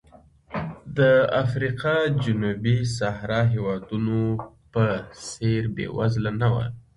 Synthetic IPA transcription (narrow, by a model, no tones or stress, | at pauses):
d̪əafɾiqɑd͡ʒʊnubis̬aɦɾɑɦewɑd̪unopəseɾbḛwa̰zlanawa̰